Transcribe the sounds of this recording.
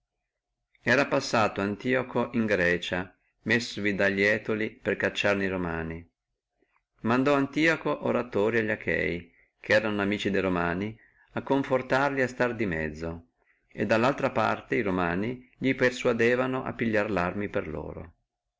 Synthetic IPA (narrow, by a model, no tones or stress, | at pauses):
ɛːɾapasːaːt̪oant̪iokoʔiŋɡɾɛːt͡ʃa | mesːovid̪aʎːɛːt̪oliperkat͡ʃːarneiɾomaːni | mand̪ɔant̪iːokoʔoɾat̪oːɾiaʎːakʰɛ̰j | kʰeɛːɾanoamiːt͡ʃid̪ejɾomaːni | akːoɱfort̪arliast̪ard̪imɛ̰d̪zːo | ḛd̪ːalːalt̪ɾapa̰rt̪eiɾomaːniʎipersuad̪eːvanoʔa̰pːiʎːarlarmiperlo̰ːɾo̰